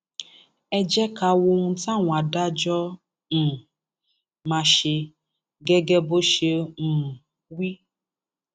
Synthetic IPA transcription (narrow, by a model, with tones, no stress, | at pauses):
ɛ˦d͡ʒɛ˦ka˨wo˧ŋũ˦tã˦˨ŋʷ˨a˨da˦d͡ʒɔ˦ | n̩˨ | mã˧ʃe˧ | ɡɛ˦ɡɛ˦bo˦ʃe˧n̩˨ | wi˦